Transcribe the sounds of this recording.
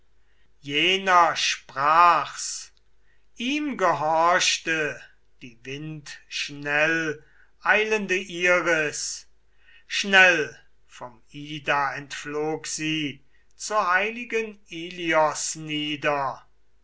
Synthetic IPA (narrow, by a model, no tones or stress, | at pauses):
jeːnɐʃpʁ̥aːχs | ʔiːmɡəɦɔɐʃtə | d̥iːvɪntʃnɛl | ʔaɪləndəʔiːʁəs | ʃnɛl | fɔm | iːdaɛntfloːkz̥iː | t͡suːɐhaɪlɪɡəniːliɔsniːdɐ